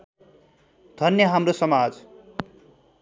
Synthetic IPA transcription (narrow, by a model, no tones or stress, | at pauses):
d̪ʱʌnjʌɦamrosʌmad͡z